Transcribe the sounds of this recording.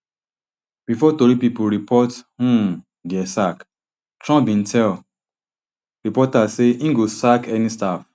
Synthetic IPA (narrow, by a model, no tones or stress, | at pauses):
b̥ifɔtoɾipipuɾipʰɔthũ | ɡɛsak | tɹɔ̃bĩn̩tʰɛl | ɾipɔtaseĩŋɡosakʰɛnistaf